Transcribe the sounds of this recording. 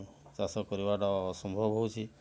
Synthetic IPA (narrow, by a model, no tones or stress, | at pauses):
sasɔkɔɾibaʈaɔsɔmbʱɔbɦɔwt͡ʃʰi